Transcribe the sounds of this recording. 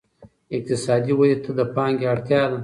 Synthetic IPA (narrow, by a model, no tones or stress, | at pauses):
ɪq̚t̪ɪsɑːd̪iwalit̪ʰad̪əpɑŋɡeaɽt̪jɑd̪a